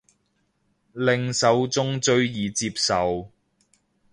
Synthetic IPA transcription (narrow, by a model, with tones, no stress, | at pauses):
lɪ˨ŋsɐ˨˧wt͡sʊ˥ŋt͡sɵ˥˧ɥjiː˨t͡siː˧p̚sɐ˨w